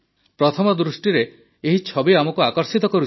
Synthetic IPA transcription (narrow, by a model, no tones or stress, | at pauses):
pɾɔt̪ʰɔmɔd̪ɾusʈiɾe | eɦit͡ʃʰɔbiamɔkuakɔɾsit̪ɔkɔɾu